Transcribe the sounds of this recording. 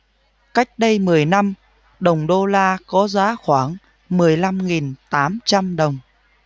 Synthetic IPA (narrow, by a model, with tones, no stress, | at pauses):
ka˦˥jk̟̚ɗə˧jmɨ˨˩əjna˧m | ɗə˨˩wŋ͡mɗo˧laː˧kɔ˨˦zaː˨˦xwaː˧˩ŋ | mɨ˨˩əjla˧mŋi˨˩nt̪aː˨˦mt͡ɕa˧mɗə˨˩wŋ͡m